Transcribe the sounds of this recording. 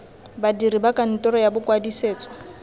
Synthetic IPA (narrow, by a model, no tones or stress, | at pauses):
badiribakʼan̩tʼɔɾɔjabʊkwadiseːt͡sʼɔ̥